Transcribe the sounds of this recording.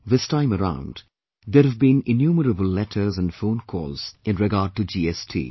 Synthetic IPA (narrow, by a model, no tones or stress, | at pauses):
ðɪstãɪ̃məɾã̰ʊ̃nd | d̪eɾəvbĩnɪnjuːməɾəbəlˠlɛʈʰəɾzə̃nɖfõʊ̃nkʰɔ̰ːlz̥ɪ̃nɹɪɡaːɖ̚ʈud͡ʒiːɛstʰḭː